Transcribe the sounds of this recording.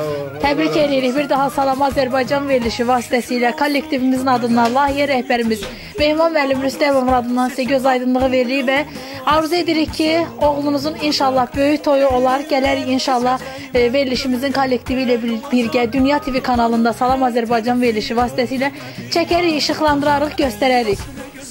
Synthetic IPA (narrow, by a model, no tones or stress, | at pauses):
t̪ʰæbɾice̞lijeɾiçbiɾd̪ɑɦɑsɑlˠɑmɑːzæɾbɑjd͡ʒɑnve̞ɾliʃivɑːsi̥t̪ʰæsijlækʰolʲːekt̪ivimizinɑd̪ɯnd̪ɑnlˠɑːhijæɾæhbæɾimiz̥ | me̞hmɑnmælːimɾyst̪æmo̞vunɑd̪ɯnd̪ɑnisæɟø̞zɑjd̪ɯnlˠɯʁɯve̞ɾiɾivæ | ɑɾuze̞d̪iɾiçcʰio̞ʁlˠunuzuninʃɑlˠːɑhbø̞jyt̪ʰo̞juo̞lˠɑɾɟælæɾiçinʃɑlˠːɑh | ve̞ɾliʃimizinkʰolʲːe̞kt̪ʰivilæb̥iɾɟæd̪ynjɑt̪ʰevekʰɑnɑlˠɯnd̪ɑsɑlˠɑmɑːzæɾbɑjd͡ʒɑnve̞ɾliʃivɑːsit̪ʰæsilæ | t͡ʃʰæcæɾiçiʃɯχlˠɑnd̪ɯɾɑɾɯχɟø̞st̪æɾæɾiç